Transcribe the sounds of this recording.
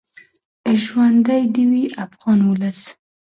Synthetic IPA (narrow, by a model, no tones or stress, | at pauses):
əʒwand̪ajd̪iwiafɣɑnwʊləs